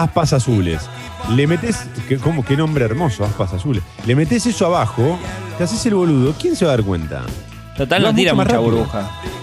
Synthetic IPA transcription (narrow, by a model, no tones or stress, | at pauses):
ahpasasulḛs | lemet̪es | kekomokenõmbɾeːɾmo̞soahpasasulḛslemet̪̬esesoaβaxot̪eas̬eselβo̞luðo̞kjens̬eβaðaɾk̬wḛnt̪a̰ | t̪ot̪almẽnt̪iɾamaraaβoɾβoxa